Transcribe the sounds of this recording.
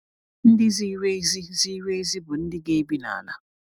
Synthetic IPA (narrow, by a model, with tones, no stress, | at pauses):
n̩˦di˦zi˦we˦zi˦zi˦we˦zi˦bu˨n̩˦di˦k̬e˦bi˦na̰ː˨na̰˨